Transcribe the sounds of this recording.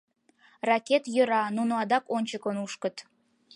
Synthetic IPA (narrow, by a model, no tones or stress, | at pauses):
rɑkʲet̪jə̆ɾɑnunoɑd̪ɑkonʲt͡ɕəkənuʃkə̆t̪